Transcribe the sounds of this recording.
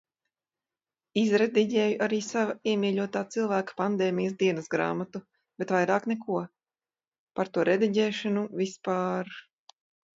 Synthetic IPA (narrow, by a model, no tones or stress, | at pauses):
izɾed̪iɟɛːjuʔaɾiːsavaiɛmiːʎʲuɔt̪aːt̪silˠvæːkḁpand̪ɛːmijəs̬d̪iɛnɐsɡɾa̰ːmat̪u | b̥eɛt̪vajɾaːknɛkuɔ | paɾt̪uɔɾed̪iɟʲɛːʃanuvispaːɾ